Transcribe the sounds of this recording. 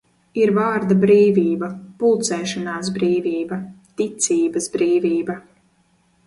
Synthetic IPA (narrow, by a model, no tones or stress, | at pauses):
iɾvaːɾd̪abɾiːviːbɐpulˠt̪sɛːʃanaːs̬bɾiːviːbɐt̪it̪siːbɐsbɾiːviːbɐ